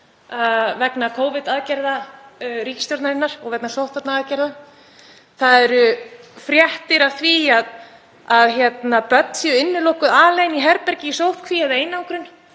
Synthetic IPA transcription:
vɛknakʰoːwvɪt̪aðcɛɾðaɾiːcɪ̥st̪jɔɾt̪naɾɪnːaɾ̥ɔɣvɛknasowht̪at̪naaːðcɛɾða | θaðɛɾʏfɾjɛht̪ɪɾaθviað | aðçjɛt̪napœt̪n̥sjɪnːɪlowhkʏðaːleːjniɦɛɾpɛɾcɪisowht̪kʰviɛðejnauwkɾʏn

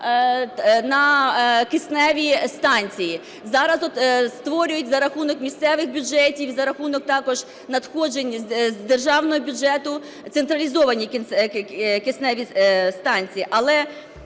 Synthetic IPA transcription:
nɐkɪsnɛʋʲist̪ɑnʲt͡sʲiji | zɑɾɐzɔt̪st̪ʋɔɾʲʊjʊtʲzɐɾɐxunɔkmʲist̪sɛʋɪxbʲʊd͡ʒɛtʲiwzɐɾɐxunɔk̚t̪ɑkɔʒ | nɐd̪xɔd͡ʒenʲzzd̪erʒɑwnɔɦɔbʲʊd͡ʒɛt̪ʊ | t̪sent̪ɾɐlʲizɔʋɐnʲikn | kesnɛʋʲist̪ɑnʲt͡sʲijiʔɐlˠɛ

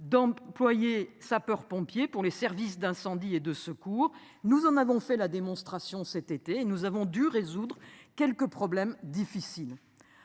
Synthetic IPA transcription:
d̪ɑ̃plwajesapœʁpɔ̃pjepuʁlesɛʁvis̬d̪ɛ̃sɑ̃d̪ied̪əsəkuːʁ | nuzɑ̃navɔ̃fɛlad̪emɔ̃st̪χasjɔ̃sɛt̪et̪eːnuzavɔ̃d̪yʁezud̪ʁkʲɛlkəpχɔblɛmd̪ifisil

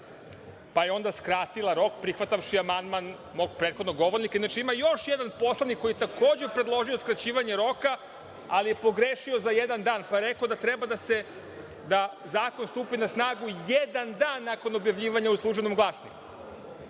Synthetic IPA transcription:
pajeo̞nd̪askɾaːt̪ilˠaɾo̞kpɾixʋat̪aʋʃiamand̪man | mo̞ɡ̚pɾet̪xo̞d̪noɡo̞ʋo̞ɾnikainːat͡ʃeimajo̞ʃjed̪anpo̞slˠanikːoijet̪akoːd͡ʑepɾed̪lˠo̞ʒio̞skɾat͡ɕiːʋaɲe̞ɾo̞ka | alije̞po̞ɡɾeʃio̞zajed̪and̪aːnpaɾekod̪at̪ɾebad̪ase | d̪a | zaːko̞nst̪uːpinasnaːɡujed̪and̪aːnːako̞no̞bjaʋʎiːʋaɲauslˠuːʒbenomɡlˠaːsnḭku

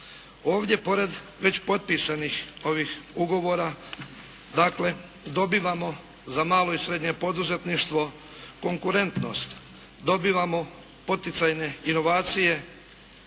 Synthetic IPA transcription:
o̞ːʋdʲje̞po̞ɾe̞d̪ | ʋe̞t͡ɕpo̞t̪̚pisanixo̞ʋixuɡo̞ʋo̞ːɾa | d̪akle̞ | d̪o̞biːʋamo̞ | zamaːlo̞isɾe̞d̪ɲe̞po̞d̪uze̞t̪niʃt̪ʋo̞ | ko̞ŋkuɾe̞nt̪no̞̰st̪ | d̪o̞biːʋamo̞ | pot̪it̪sajne̞ino̞ʋaːt̪sije̞

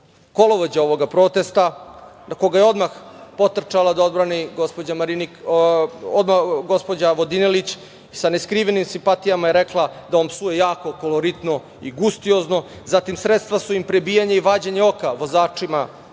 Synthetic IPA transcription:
ko̞lo̞ʋod͡ʑao̞ʋo̞ɡapɾo̞t̪e̞st̪anakoɡajeo̞d̪max | po̞t̪r̩t͡ʃalad̪ao̞d̪bɾaniɡospo̞d͡ʑamaɾini | od̪maxɡo̞spo̞d͡ʑaʋo̞d̪inelit͡ɕ | saneskɾiʋenimsimpat̪ijamajeɾeklˠad̪aompsujejaːko̞kolo̞ɾit̪no | iɡust̪io̞zno̞zat̪imsɾet̪st̪ʋasuimpɾe̞bijaɲeiʋaːd͡ʑeɲeo̞kaʋo̞zaːt͡ʂima

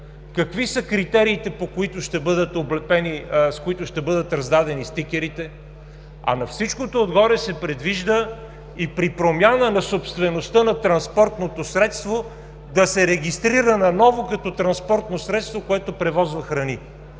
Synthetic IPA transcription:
kɐkvisəkɾit̪ɛɾiːt̪ɛpokoit̪oʃt̪ɛbɤd̪ət̪oblɛpɛniskoit̪ʊʃt̪ɛbɤd̪ət̪ɾɐzd̪ad̪ɛnist̪ikʲɛɾit̪ɛ | ɐ̰nɐfsit͡ʃkot̪oːd̪ɡɔɾɛsɛpɾɛd̪viʒd̪ə | ipɾipɾomʲjanənɐsopst̪vɛnost̪ənɐt̪ɾɐnspɔɾt̪not̪osɾɛt̪st̪vo | d̪ɐsɛɾɛɡʲist̪ɾiɾənɐnɔvokɐt̪ɔt̪ɾɐnspɔɾt̪nosɾɛt̪st̪vokoɛt̪opɾɛvɔzvɐxɾɐni

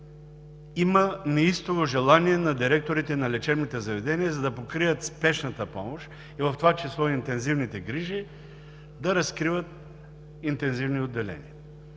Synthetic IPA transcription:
imənɛist̪ovoʒɛlˠaniɛnɐd̪iɾɛk̚t̪oɾit̪ɛnɐlɛt͡ʃɛbnit̪ɛzɐvɛd̪ɛniəzɐd̪ɐpokɾijət̪spɛʃnɐt̪əpɔmoʃ | ivɐft̪ovat͡ʃɛslˠɔint̪ɛnzivnit̪ɛɡɾiʒi | d̪ɐɾɐskɾivət̪̚ | int̪ɛnzivniod̪ːɛlɛ̰nḭɐ

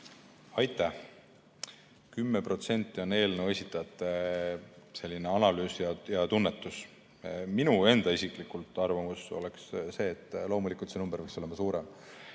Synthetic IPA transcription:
ɑjt̪ːˑæh | kymːepro̞t̪se̞nʲt̪ːˑio̞ne̞ːlne̞we̞sit̪ːˑɑt̪ːˑe | se̞lʲːine̞ɑnɑlyːsjɑjɑt̪unːet̪ːˑus | minue̞nd̪ɑisiklikult̪ːˑɑrvɑmuso̞̰leksse̞ːt̪ˑːlo̞ːmulikˑult̪senumb̥əɾvɑkso̞le̞mɑsuːɾem

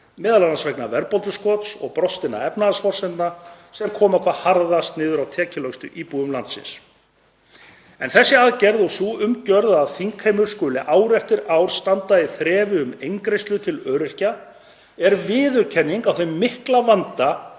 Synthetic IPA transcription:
mɛːðalanasvɛjknavɛɾpɔlt̪ʏskɔt̪sɔ̰ɣpɾɔst̪ɪna̰ɛpnaðasfɔr̥sɛnt̪nasɛmkʰɔːmakʰvahaɾðast̪nɪːðʏɾawt̪ʰɛːcɪlœkst̪ʏ̰ʔiːpuɣʏmlant̪sɪ̰ns | ɛnθɛsːɪaðcɛɾðɔsuʏmcœɾðaðθiŋkʰejmʏɾ̥skœːlɪʔaːwɾɛft̪ɪɾawɾ̥st̪ant̪aɪθɾɛːvɪʏmejŋkɾejst̪lʏt̪ʰɪlœːɾɪhca | ɛɾvɪːðʏɾcʰɛnːiŋkawθemːɪhklavant̪a

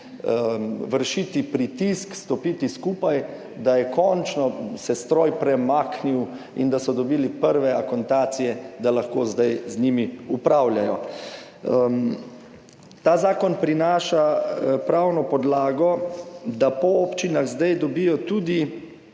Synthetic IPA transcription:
ʋəɾʃiːt̪ipɾit̪iskst̪ɔpiːt̪iskuːpaj | d̪ajɛkɔnt͡ʃnɔsɛst̪ɾɔjpɾɛmakniw | ind̪asɔd̪ɔbiːlipəɾʋɛakɔnt̪aːt̪sijɛd̪alaxkoːzd̪ajznimiupɾaːwljajɔ | t̪aːzaːkɔnpɾinaːʃapɾawnɔpɔd̪laːɡɔd̪apɔɔpt͡ʃinaɣzd̪ajd̪ɔbiːjɔt̪uːd̪i

